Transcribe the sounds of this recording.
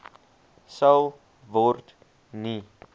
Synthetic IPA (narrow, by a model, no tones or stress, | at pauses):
səw | vɔrt | ni